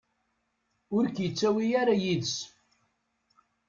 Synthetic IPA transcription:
ʊɾkjət͡sːæwijaɾajiðəs

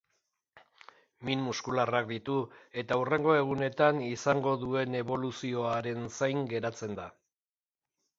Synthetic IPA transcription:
minmuskularakd̪it̪ue̞t̪aure̞ŋɡo̞e̞ɣ̞une̞t̪anisaŋɡo̞ðue̞ne̞βo̞lusio̞aɾe̞nsajŋɡe̞ɾat͡se̞nd̪a

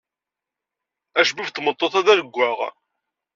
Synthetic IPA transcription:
æʃbift̪mət̪ˤːoθæðæɾəɡʷːaʁ

